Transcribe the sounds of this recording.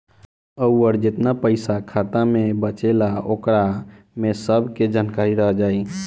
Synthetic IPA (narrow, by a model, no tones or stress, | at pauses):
əwəɾd͡ʒet̪napəɪsakʰat̪amebət͡ʃelaokɾa | mesəbʱked͡ʒankaɾiɾəɦəd͡ʒaːi